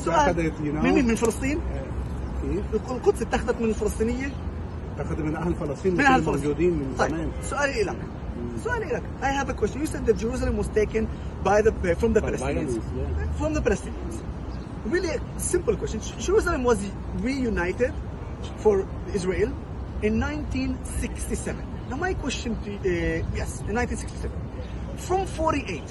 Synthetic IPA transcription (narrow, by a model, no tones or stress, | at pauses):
soaad̪at̪jnomɪmɪnfɪlɨst̪ˤiːne | elɪlqʊt̪sɪt̪ːaxæðæt̪mɪnɪlfɪlɨst̪ˤiːnɪjːa | ɪt̪ːaxad̪mɪnʔahlfɪlɑsˤt̪ˤiːnmɪ̃nʔahfld͡ʒud̪iːnmɪnt̪ɑansʊʔæːlilak | soanalakʔajhævækwɛstnjusɛd̪̚ðæt̚d͡ʒəɾuːs̬alɪ̃mwɑzt̪eːkɪ̃n | baɪðəfɹɔ̃mðəppælɛstĩñnsfɹɔ̃mðəpælɛstĩñns | ɹilˠi | sɪ̃mpəlˠkʰwɛstt͡ʃə̃n | d͡ʒəɹusələ̃mwɔz | ɹijunaɪtɪd | fɔɹ | ɪzɹelˠ | ɪ̃nːãɪ̃ntʰĩnsɪkstisɛvɨ̃nnamaɪkwɛst͡ʃɨ̃ntjɛsɪ̃nːãtĩnsɪ̥ksti̥sɛvə̃n | fɹɔ̃mfɔɹɾiʔeɪt